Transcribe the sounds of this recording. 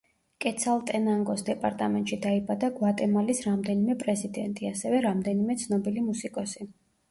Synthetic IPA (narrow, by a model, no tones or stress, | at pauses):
kʼɛt̪sʰalˠt̪ʼɛnaŋɡɔsd̪ɛpʼaɾt̪ʼamɛnt̪ʼʃid̪aibad̪aɡwat̪ʼɛmalisɾamd̪ɛnimɛpʼɾɛzid̪ɛnt̪ʼiasɛvɛɾamd̪ɛnimɛt̪sʰnɔbilimusikʼɔsi